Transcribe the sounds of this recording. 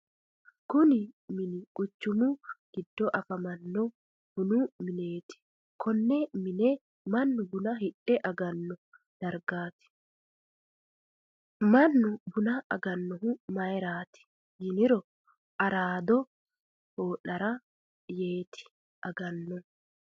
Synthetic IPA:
kʊnɪmɪnɪkʼʊt͡ʃːʊmʊɡ̥ɪd̪ːɔʔɐfɐmɐnːɔ | b̥ʊnʊmɪne̞ːt̪ɪ̥ | kʰɔnːɛmɪnɛ | mɐnːʊbʊnɐɦɪɗɛʔɐɡɐnːɔ | d̪̥ɐɾɡaːt̪ɪ̥ | mɐnːʊbʊnɐʔɐ̰ɡɐnːɔɦʊmɐjɾaːt̪ɪ̥ | jɪnɪɾɔ | ʔɐɾaːd̪ɔ | hoːᶑɐɾɐ | je̞ːt̪ʰɪ̥ | ʔɐɡɐnːɔ

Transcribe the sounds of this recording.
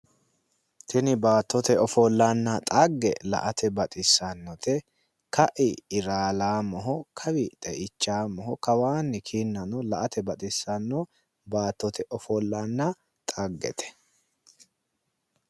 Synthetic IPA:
t̪ʰɛnɪbaːt̪ːɔt̪ɛɔfɔlːanːɐt̪ʼaɡːɛ̰lɐ̰ʔɐt̪ɛbɐt̪ʼɪsːɐnːɔt̪ɛ | kɐʔɪːɾaːlaːmɔɦɔkʰɐwɪt̪ʼɛʔɪt͡ʃːaːmɔɦɔkɐwaːnːɪkʰiːnːɐnɔlɐʔɐt̪ɛbɐt̪ʼɪsːɐnːɔ | baːt̪ːɔt̪ʰɛʔɔfɔlːanːɐ | t̪ʼaɡːɛ̰t̪ʰɛ̥

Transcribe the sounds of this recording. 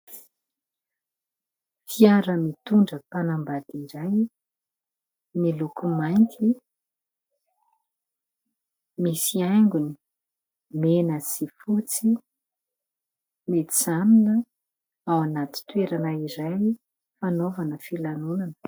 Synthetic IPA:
fiaɾəmit̪uɳɖ͡ʐəpanambad̪iɾaj | nilukumajnt̪ʰi | misiajŋɡuni̥ | menəsifut͡si | mit͡saminə | awanat̪i̥t̪weɾanaiɾaj | fanovanəfilanunanə̥

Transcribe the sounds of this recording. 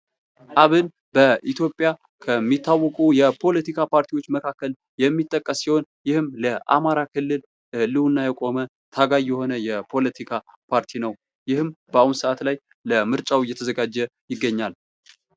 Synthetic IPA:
ʔaβɨn | bəʔit̪jo̞pʼja | kʰəmːit̪ʰːawːɔkʼujɛpʰo̞lət̪ikʰapʰaɾt̪ʰiwo̞t͡ʃːməkʰakːəl | jɛmːit̪ʼːəkʼːəsːiho̞njɪhɨmləʔa̰maɾakʰɨlːɨl | lɨhunːajɛkʼo̞mə | t̪ʰaɡajɛho̞nəjɛpʰo̞lət̪ʰikʰapʰaɾt̪ʰinəw | jɪhɨmbəaunsəʔat̪laj | ləmɨɾt͡ʃʼawjːɛt̪ʰəzəɡad͡ʒːɛjɪɡːəɲːal

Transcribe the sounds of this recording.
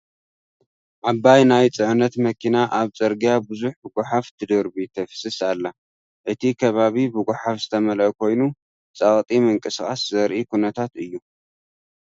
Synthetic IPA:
ʕabajnajt͡sʼɨʕnɐt̪mɐkʰinaʔaβt͡sʼɐɾɡjabɨzuħbɨɡʷʊħaft̪ʰɨd̪ɐɾbit̪ʰɐfɨ̥sɨsalːɐ | ʔɨt̪ʰikʰɐβaβibɨɡʷʊħafzɨt̪ʰɐmɐlʔkʰo̞jnu | t͡sʼɐχʼt̪ʼimɨŋkʼɨskʼaszɐɾʔikʰunɐt̪ʰat̪ɨjːu

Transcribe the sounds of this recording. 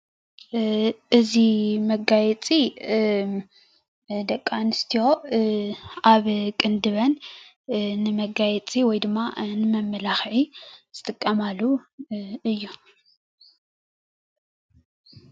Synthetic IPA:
ʔɨzimɐɡajɛt͡sʼi | d̪ɐkʼːanɨst̪ʰijo̞ | aβkʼɨnd̪ɨβɐn | nɨmɐɡajɛt͡sʼiwɔjd̪ɨmːanɨmɐmːɐlaxʕiz̥ɨt̪ʼɨkʼːɐmalːu | ɨjːu

